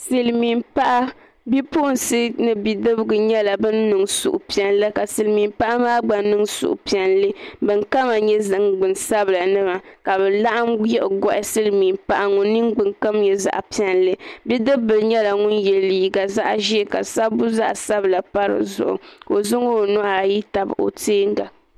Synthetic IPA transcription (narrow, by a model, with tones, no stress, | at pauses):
sɨ˨lmi˨mpa˦ʔa˦ | bi˦pʊ˦ʔnsɨ˦nɨ˨bi˨dɨ˦bɨ˦ɡɨ˨ɲɛ˦la˨bɨ˦nː˦ɨ˨ŋsṵ˨ʔʊ˨pi˨ɛ˨nlɨ˦ka˨sɨ˨lmi˨mpa˦ʔa˦maː˦ɡ͡ba˨n˦nɨ˦ŋsʊ̰˨ʔʊ̰˨pi˨ɛ˨nlɨ˦bɨ˨ŋka˦ma˨ɲɛ˦zɨ˨ŋɡ͡bɨ˨nsa˦bɨ˨la˨nɨ˦ma˨ka˨bɛ˨la˦ʔa˦mjɛ˦ʔʊ˨ɡɔ˦ʔɪ˦sɨ˦lmi˨mpa˦ʔa˦ŋʊ˨nː˦i˦ŋɡ͡bɨ˨ŋka˦mɲɛ˨za̰˨ʔpi˦ɛ˨nlɨ˦bi˦dɨ˦bɨ˨lɲɛ˦la˨ŋʊ˦njɛ˨lːiː˨˦ɡa˨za˦ʔʒi˦ɛ˦˨ka˨sa˦bu˦za˦ʔsa˦bla˨pa˦ɾɨ̰˨zʊ̰˨ʔʊ̰˨ko˨zʊ˦ŋo˦˨nɔ˦a˨ji˦ta˨bɨ̰˨o̰˨teː˦ŋ˦ɡa˨